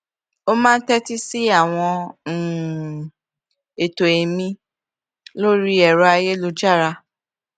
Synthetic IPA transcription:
o˦mãː˦n̩˦tɛ˦ti˦si˦a˦˨w̃ɔ̃˧˨ | e˨to˨e˨mĩ˧ | lo˦ɾi˦ɛ˨ɾɔ˧˦a˧je˦lo˧d͡ʒa˦˨ɾa˧

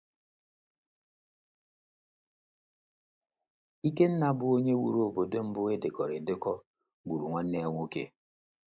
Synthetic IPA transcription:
i˦ke˦n̩˦na˨bʊ˦o˦ɲe˦wṵ˨ɾo˨bo˨do˦m̩˦bʊ˦e˦dɪ˨kɔ˨ɾɪ˨dɪ˦kɔ˦ | ɡ͡bu˨ɾu˨ŋʷa˦n̩ː˦e˦ŋʷo˦kḛ˦

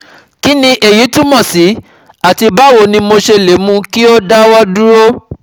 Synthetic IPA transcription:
ki˦nĩ˧ʔe˨ji˨˦tu˦mɔ̃˦˨si˨˦ | a˦˨ti˧ba˦wo˧˨nĩ˧mo˧ʃe˧le˨˦mũ˧˦ki˦o˦da˦wɔ˦du˦ɾo˦

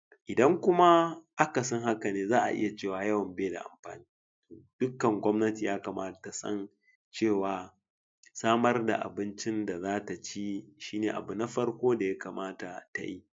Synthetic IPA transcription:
ʔɪ˨dɐ˦ŋkʷʊ˦ma˦ʔa˦ka˨sɔ˦ŋɦa˦ka˨neː˦zaː˦ʔa̰˨ʔɪ̰˦ja˨t͡ʃeː˦˨waː˨jɐ˦wɐ˨mbeː˦da̰˨ʔa̰˨mɸa̰ː˨niː˦ | to˨d̥ʊ˦kːɐ˨ŋɡʷɔ˦mnɐ˦ti˨jaː˦kaː˨maː˦˨ta˨sɐ̰˦n | t͡ʃeː˦˨waː˨ | saː˦mɐ˦rda̰˨ʔa̰˨bɪ˦nt͡ʃɪ˦nda˨zaː˦ta˨t͡ʃi˦ʃiː˦neː˨ʔa̰˨bu˨na˦ɸɐ˦rkʷoː˦da˨ja˦kaː˨maː˦ta̰˨ta̰˨ji˦

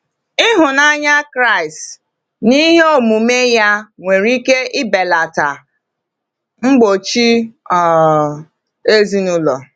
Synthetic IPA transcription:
ɪ˦ɦʊ˨na˦ɲa˦kɾa˦˨ɪ˨st | ni˦ɦo˦˨mu˨me˦ja˦ŋʷe˨ɾi˦ke˦ʔɪ˦be˨la˨ta˨ | ŋ͡m̩˦ɡ͡bo˨t͡ʃi˦ɔ˨ | e˦zi˦nʊ˦lɔ̰˨

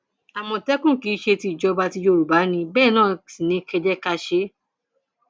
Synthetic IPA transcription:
a˨mɔ̃˧tɛ˦kũ˦˨ki˨˦ʃe˧ti˧i˨d͡ʒɔ˨˧ba˧ti˧d͡ʒo˧ɾu˨ba˨˦nĩ˧bɛː˦˨nãː˦˨sĩ˨nĩ˧˦kɛ˧d͡ʒɛ˦ka˧ʃe˧˦

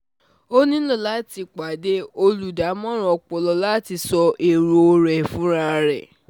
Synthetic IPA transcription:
o˦nĩ˦lɔ̃˦˨la˨˦ti˧k͡pa˨de˦o˧lu˨da˨˦mɔ̃˦ɾ̃ɔ̃˧˨ɔ˧k͡pɔ˧lɔ˧la˦ti˧sɔ˧ʔe˨ɾo˧o˧ɾɛ˨fũ˨˦ɾa˧ɾɛ̰˨

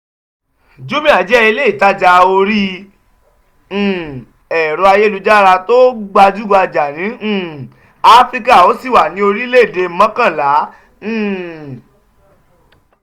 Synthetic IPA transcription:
d͡ʒu˦mĩ˦a˨d͡ʒɛ˨˦i˧le˦i˨ta˦d͡ʒa˧o˧ɾi˦˨ | ɛ˨ɾo˨˧a˧je˦lu˧d͡ʒa˦ɾa˧to˦ɡ͡ba˧d͡ʒu˦ɡa˧d͡ʒa˨nĩ˨˦˨ | a˦fɾi˦ka˦˨o˨˦si˦˨wa˨nĩ˨˧˦o˧ɾi˦le˦˨de˧˦mã˦kã˦˨lã˨˦˨

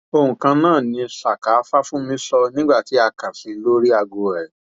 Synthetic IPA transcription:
o˧hũ˨kã˧nãː˦˨nĩ˧sa˨ka˨˦fa˦fũ˦mĩ˦sɔ˧nĩ˦ɡ͡ba˦˨ti˨˦a˧ka˨si˨˧˦lo˦ɾi˦a˧ɡo˧ɾɛ˨

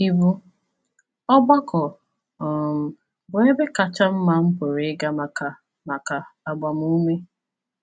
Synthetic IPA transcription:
i˦bu˦ | ɔ˦ɡ͡ba˦kɔ˨ | m̩˨ | bʊ˨e˦be˦ka˨t͡ʃa˦m̩˦ma˦m̩˦pʊ˨ɾe˨˦ɡa˦ma˨ka˨ | ma˨ka˨a˨ɡ͡ba˨mu˦me˦

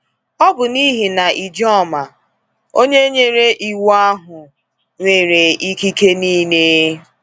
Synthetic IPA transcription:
ɔ˦bʊ˨ni˦ɦi˨na˨ʔi˨d͡ʒɔ˦˨ma˨ | o˦ɲe˦ɲe˦ɾe˦ʔi˨wa˦ɦʊ˨ | ŋʷe˨ɾe˨i˦ki˦ke˦niː˦ne˦

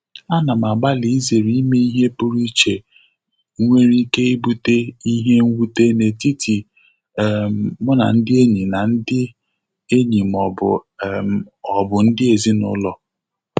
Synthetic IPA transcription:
a˦na˨m˨a˨ɡ͡ba˦li˨i˦ze˨ɾi˨˦me˦i˦ɦe˦pʊ˦ɾi˦t͡ʃe˨˦ | ŋʷe˦ɾi˦ke˦i˦bu˦te˦i˦ɦe˦ŋ̩˦wu˦te˦ne˨ti˦ti˨ | m˨mʊ˦na̰˨n̩˦dɪ˦e˦ɲi˨na˨n̩˦dɪ˦ | e˦ɲi˨m˨ɔ˨bʊ˨ | ɔ˨bʊ˨n̩˦dɪ˦e˨zi˦nʊ̰˦lɔ˨

